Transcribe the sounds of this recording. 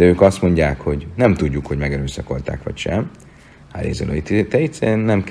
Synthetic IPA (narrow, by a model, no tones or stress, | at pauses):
d̪ɛøːkɒst̪mo̞ɲɟaːkho̞ɟnɛmt̪uɟːukhoɟmɛɡɛɾøːsɒko̞̰lt̪a̰kʋɒ̰cʃɛm | ha̰ɾḛːzo̰lʔø̰it̪it̪ɛɛt̪sɛɾeːnːɛmk